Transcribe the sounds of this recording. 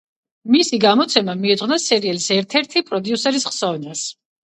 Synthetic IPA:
misiɡamɔt̪sʰɛmamiɛd̪zʁwnasɛɾiɛlisɛɾt̪ʰɛɾt̪ʰipʼɾɔd̪iusɛɾisχsɔvnas

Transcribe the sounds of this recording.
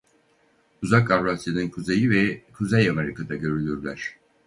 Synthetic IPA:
uzakaɾɾasjanɯnkʰuzejivɛkʰuzɛjameɾikʰad̪aɟø̞ɾylʲyɾlʲæɾ̥

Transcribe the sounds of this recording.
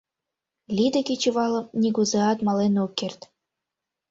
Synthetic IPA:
lʲid̪ɘ̆kʲet͡ɕuβɑlɤ̆p̚nʲiɡuzeɑt̪mɑlenukːert̪

